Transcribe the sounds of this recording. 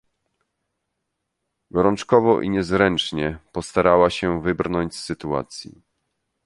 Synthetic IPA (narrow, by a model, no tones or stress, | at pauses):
ɡɔɾɔnt͡ʂkɔvɔʔḭɲɛzɾɛnt͡ʂɲɛpɔst̪aɾawaɕɛvɘbɾnɔɲt͡ɕsːɘt̪ua̰t̪sʲjḭ